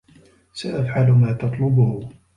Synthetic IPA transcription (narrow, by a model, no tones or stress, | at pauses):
saʔafʕalʊmaːt̪ɑt̪ˤlʊbʊhʊ